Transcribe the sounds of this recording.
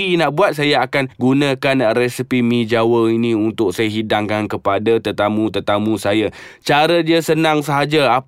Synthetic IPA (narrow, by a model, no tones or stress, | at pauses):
inaʔbuat̪̚sajaakanɡunãkanrɛsipimĩd͡ʒawəinĩunt̪ʊk̚sajaɦidaŋkankəpadat̪ərt̪amũt̪ərt̪amũsaja | t͡ʃaɾədiəsənãŋsəɦad͡ʒaa